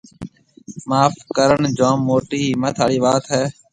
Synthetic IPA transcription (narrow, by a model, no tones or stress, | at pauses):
maːfkəɾəɳd͡ʒaːmːoːʈiːmət̪ʰaːɽiːʋaːt̪ɦɛː